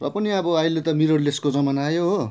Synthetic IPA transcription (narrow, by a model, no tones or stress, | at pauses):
rʌ̰pʌniʌbʌajlet̪ʌmiɾʌrleskod͡zʌmanaːjoɦo